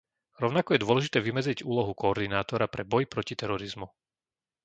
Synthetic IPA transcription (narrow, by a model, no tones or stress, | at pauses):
ɾɔʊnakɔjɛd̪ʊɔlɛʒit̪ɛːʋimɛd͡zɾiɟuːlɔɦukɔːɾd̪inaːt̪ɔɾapɾʔɛbɔjpɾɔcit̪ɛɾɔɾizmu